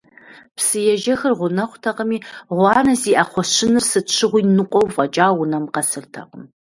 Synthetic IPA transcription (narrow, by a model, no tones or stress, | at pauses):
psɨjɛʒɐxɐrʁʷʊnɐχʷtʰɐqəmiːʁʷɑːnɐziːʔaχʷɔʃɪnɨrsɨɕʰɪʁʷiːnɨqʷʼɔwfʼɐt͡ʃʼaːwʊnɐmqɐsɨrtʰɐ̰qʼəm